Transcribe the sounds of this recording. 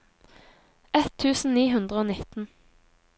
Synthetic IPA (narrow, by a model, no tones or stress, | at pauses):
ɛt̪ʰːʉːsn̩niːɦʉnd̪ʁəoːnɪt̪n̩